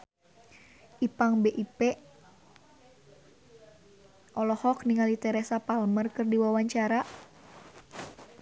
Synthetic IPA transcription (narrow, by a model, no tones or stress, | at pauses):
ʔipaŋbeʔipɛ | ʔɔlɔhɔk̚niŋalit̪ɛɾɛsapalmərkɨrdiwawaɲt͡ʃaɾa